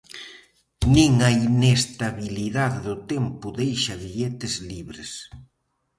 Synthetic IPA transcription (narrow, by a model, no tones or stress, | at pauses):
nĩŋɐinest̪aβiliðaðeðʊt̪empʊðejʃɐβiʎet̪ɪzliβɾes